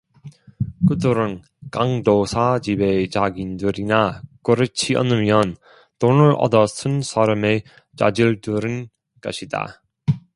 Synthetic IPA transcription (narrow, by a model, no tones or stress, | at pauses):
kɯdɯɾɯn | kaŋdosʰad͡ʑibet͡ɕaɡindɯɾinakɯɾɯt͡ɕʰiʌ̰nɯmjʌn | tonɯɾʌ̰dʌsʰɯnsʰaɾame | t͡ɕa̰d͡ʑiɭdɯɾɯn | kʌɕʰida̰